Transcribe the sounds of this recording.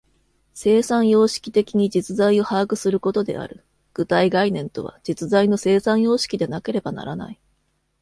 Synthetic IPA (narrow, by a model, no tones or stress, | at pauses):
se̞ːsãɰ̃jo̞ːɕi̥kʲi̥t̪e̞kʲiɲ̟id͡ʑit͡sɨzaio̞haːɡɯ̟sɨɾɯ̟ko̞t̪o̞d̪e̞̰a̰ɾɯ̟ | ɡ̥ɯ̟t̪aiɡainẽ̞nt̪o̞̰βa̰d͡ʑit͡sɨzaino̞se̞ːsãjo̞ːɕi̥kʲid̪e̞nake̞ɾe̞bana̰ɾana̰i